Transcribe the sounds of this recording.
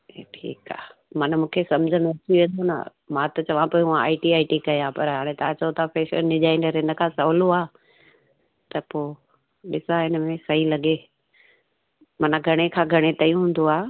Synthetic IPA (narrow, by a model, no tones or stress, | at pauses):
eːʈʰḭːka̰ːmɐnmũːkʰesɐmd͡ʑʱənẽɐt͡ɕiʋẽːn̆d̪onɐ̰ | mãt̪ɐt͡ɕɐʋãpoːuãa̰ːɪʈiaːɪʈikɐjãpɐɾɦaːɽ̃ẽt̪ɐãt͡ɕɐot̪ʰapeːʃə̰ɾɗɪʄaːɪnəɾɦɪnə̆kʰãːsɐʋloaː | t̪ɐpoː | ɗɪsaɦɪnəmẽsɐɦilɐɠe | mɐnɡʱɐɽ̃ekʰãːɡʱɐɽ̃et̪ɐijũɦũːn̆d̪oaː